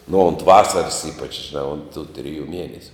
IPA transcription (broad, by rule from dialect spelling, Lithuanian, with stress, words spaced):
nʊ ʊnt ˈʋɑːsɐrɐs ˈiːpɐt͡ʃ ʒʲɪˈnɑː ʊnt tʊ tʲrʲɪˈjuː ˈmʲiɛnʲɛsʲʊ